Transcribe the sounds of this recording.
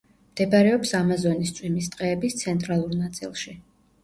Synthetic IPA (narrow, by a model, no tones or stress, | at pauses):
md̪̥ɛbaɾɛɔpsamazɔnist̪sʼwimist̪ʼqʼɛːbist̪sʰɛnt̪ʼɾalˠuɾnat̪sʼḭlˠʃi